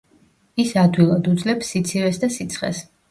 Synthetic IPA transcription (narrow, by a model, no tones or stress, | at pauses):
isad̪wilˠad̪ud̪zlɛpsːit̪sʰivɛsd̪asit̪sʰχɛ̰s